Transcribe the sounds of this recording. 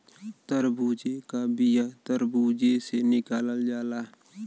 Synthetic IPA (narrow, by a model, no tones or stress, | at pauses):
t̪əɾbʱuːd͡ʒekabijat̪əɾbuːd͡ʒesenɪkaːləld͡ʒaːlaː